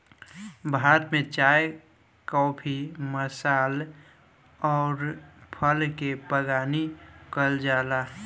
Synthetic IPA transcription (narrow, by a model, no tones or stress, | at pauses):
bʱaːt̪mẽt͡ʃaːj | kɔːpʰiməsaːl | ɔːɾpʰəlkepəɡaːnikəld͡ʒaːlaː